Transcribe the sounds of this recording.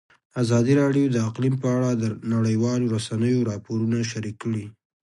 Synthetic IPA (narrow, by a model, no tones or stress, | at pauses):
azɑd̪iɾɑɖjod̪əaqlimpəaɽad̪ənaɽəjwɑloɾasanəjoɾɑpoɾunaʃaɾikːəɽi